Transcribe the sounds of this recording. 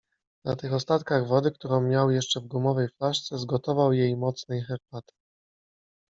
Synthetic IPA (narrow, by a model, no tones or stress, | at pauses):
nat̪ɘxɔst̪at̪kaɣvɔd̪ɘk̚t̪uɾɔ̃w̃mʲjawjɛʂt͡ʂɛvɡumɔvɛjfaʂt̪sɛzɡɔt̪ɔvawjejmɔt̪snɛjxɛɾpat̪